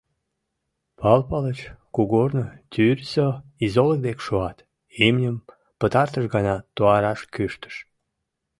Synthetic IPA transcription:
pɑlpɑlət͡ɕkuɣornət̪ʲyrʲsoizolək̚d̪ekʃoɑt̪ | emnʲəm | pət̪ɑrt̪əʃɡɑnɑt̪oɑɾɑʃkyʃt̪ə̥ʃ

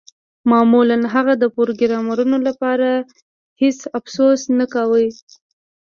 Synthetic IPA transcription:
mɑmulanɦaɣad̪əpoɾɡɪɾɑmaɾunolapɑɾa | hesafsosnakawəj

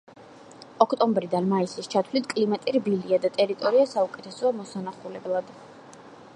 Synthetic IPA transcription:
ɔkʰt̪ʼɔmbɾid̪anmaisist͡ʃʰat̪ʰvlit̪ʰkʼlimat̪ʼiɾbiliad̪at̪ʼɛɾit̪ʼɔɾiasaukʼɛt̪ʰɛsɔamɔsanaχulɛblˠad̪

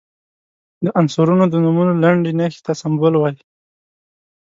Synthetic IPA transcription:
d̪əʔansʊɾunod̪ənumunolaɳɖenaxe̥t̪asambʊlwaji

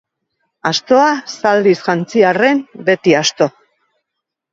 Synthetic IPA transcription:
ast̪o̞asald̪isʝant͡siare̞mbe̞t̪iast̪o̞

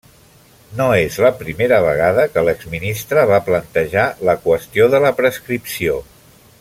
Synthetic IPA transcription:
noezləpɾimeɾəβ̞əɣ̞aðəkələɡzminist̪ɾəβaplənt̪əʒaləkwəst̪ioðələpɾəskɾipsio

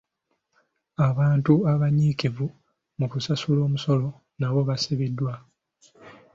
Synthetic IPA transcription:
aβaːntuaβaɲiːkivu | mukusasulo̞ːmuso̞lo̞ | naβo̞βasiβidːwa

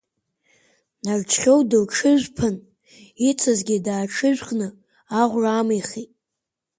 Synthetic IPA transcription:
nart͡ʃʰχʲowdɨlʈ͡ʂʰɨʒᶣʷpʰɨn | it͡sʰazɡʲidaːʈ͡ʂʰɨʒᶣʷqʼnɨ | aʁʷraːmijχitʼ

